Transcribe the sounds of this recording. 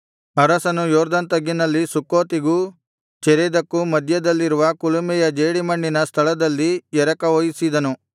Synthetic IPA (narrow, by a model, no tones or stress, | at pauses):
ɐɾɐsɐnujoːɾd̪ɐnt̪ɐɡːinɐlːisukoːt̪iɡu | t͡ʃɛɾɛd̪ɐkːumɐd̪ʱjɐd̪ɐlːiɾuʋɐkulumɛjɐd͡ʒeːɽimɐɳːinɐst̪ʰɐlɐd̪ɐlːijɛɾɐkɐʋojisid̪ɐnu